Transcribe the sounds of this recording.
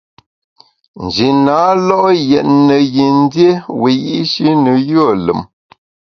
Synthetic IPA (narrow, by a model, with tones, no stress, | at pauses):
n̩˨d͡ʒi˨naː˨˦lɔ˦ʔjɛ˨t̚nə˨ɣi˨n˦dje˦we˨ji˦ʔʃi˦nə˨jo˦˨lə̰˨m